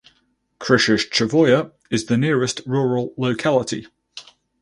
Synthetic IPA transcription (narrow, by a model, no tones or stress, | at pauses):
kʰɹ̥ɪʃəʃt͡ʃʰəvɔɪə | ɪzðənɪəɹɪstɹɔːɹəlˠːəʊkʰalɪtʰḭ